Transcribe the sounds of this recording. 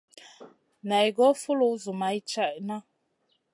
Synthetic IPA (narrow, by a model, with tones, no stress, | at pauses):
na˨i˨ɡɔ˦fu˦lu˨˦zu˨ma˨i˦t͡ʃa˦˨ʔna˦